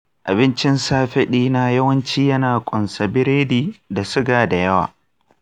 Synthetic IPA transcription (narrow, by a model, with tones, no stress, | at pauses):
ʔa˨bɪ˦nt͡ʃɪ˦nsaː˦ɸɪ˦ɗiː˦na˦jɐ˦wɐ˦nt͡ʃiː˦jɐ˦naː˨kʷʼʊ˨nsa˨bɪ˦ɾeː˦diː˨da˨sɪ˦ɡaː˨da˨jɐ˦wa̰ː˨